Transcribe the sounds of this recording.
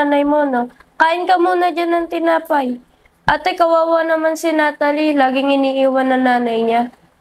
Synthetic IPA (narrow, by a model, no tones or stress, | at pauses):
aːnɐjmo̞no̞kaːʔɪnkɐmuːnɐd͡ʒanɐŋt̪ɪnaːpaj | ʔɐt̪ɐjkɐwaːwanɐmansɪnaːt̪alilaːɡɪŋɪniːʔiːwanːɐŋnaːnɐjɲa